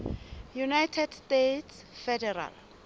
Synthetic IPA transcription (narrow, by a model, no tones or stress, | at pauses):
junajtʰɛdstetʰs | fɛdɛra̰l